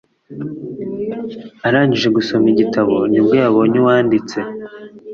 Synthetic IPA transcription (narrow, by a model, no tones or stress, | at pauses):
aɾaːɲɟiʒe̞ɡuso̞miɟitʰaβonibɡojaβoɲiwaːndit͡se̞